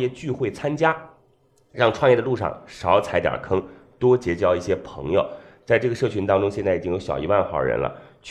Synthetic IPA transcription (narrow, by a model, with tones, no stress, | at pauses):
jɛ˥˧t͡ɕy˥˧xwe˥˩ɪt͡sʰa˥nt͡ɕja˥ | ɻɑ˥˧ŋʈ͡ʂʰwɑ˥˧jɛ˥˩d̪ə˧lu˥˧ʂɑ̰˥˩ŋʂɑ˧˥ʊt͡sʰa˧˥ɪt̪jɑ̰˨˩kʰɤ˥ŋ | t̪wɔ˥t͡ɕjɛ˧˥t͡ɕjɑ˥˧ʊi˥˩ɕjɛ˥pʰɤ̰˧˥ŋjo˧ʊt͡sa˥˧ɪʈ͡ʂɤ˥˩ɡə˩ʂɤ˥˩t͡ɕʰy˧˥nt̪ɑ˥ŋʈ͡ʂʊ˥ŋɕjnt͡sa˥˩ɪi˨˩t͡ɕi˥ŋjo˧˥ʊɕjɑ˨˩ʊi˧˥wa˥˧nxɑ˨˧˩ʊɻə̰˧˥nlə̰˧t͡ɕʰ